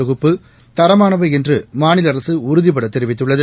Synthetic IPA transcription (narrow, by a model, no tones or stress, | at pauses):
ʊɣɯpːɯ | t̪ɐɾɐmaːnɐʋɐɛndrɯmaːnɪlɐɾɐsɯʊɾʊðɪpːɐɽɐt̪ːɛɾɪʋɪt̪ːɯɭːɐðɯ